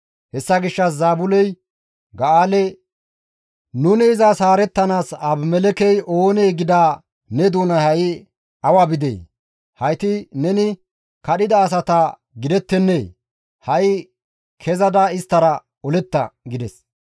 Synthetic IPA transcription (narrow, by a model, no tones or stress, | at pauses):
hɛsːɐɡɪʃːɐszaːbʊlɛj | ɡɐaːlɛ | nʊnɪːzasaːɾɛt̪ːɐnaːsɐbmɛlɛkɛjʔo̞ːnejɡɪd̪aː | nɛd̪uːnɐhɐj | ɐwabɪd̪ḛː | hɐjt̪ɪnɛnɪ | kɐɗɪd̪ɐːs̬ɐt̪ɐ | ɡɪd̪ɛt̪ːɛnːeː | hɐj | kʰɛzɐd̪aɪst̪ːɐɾɐ | ɔlɛt̪ːɐ̰ɡɪd̪ɛs